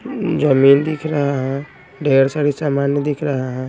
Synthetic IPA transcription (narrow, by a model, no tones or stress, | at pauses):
d͡ʒəmind̪ikʰɾəɦaɦɛ̃ | ɖʱeɾsaɽisamaːnjəd̪ikʰɾəɦaɦɛ̃